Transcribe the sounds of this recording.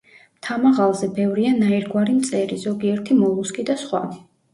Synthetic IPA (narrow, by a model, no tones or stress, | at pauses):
mt̪ʰamaʁalˠzɛbɛvɾianaiɾɡwaɾimt̪sʼɛɾizɔɡiɛɾt̪ʰimɔlˠuskʼid̪asχwa̰